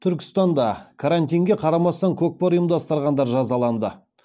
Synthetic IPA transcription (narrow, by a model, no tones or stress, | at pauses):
t̪ʰʏɾkʲɪ̥st̪ɑnd̪ɑkʰaɾant̪ijŋɡʲe̞qʰɑɾɑmɑst̪ɑŋkʲʰok̚poɾujəmd̪ɑst̪əɾʁɑnd̪ɑɾʒɑzɑlˠɑnd̪ə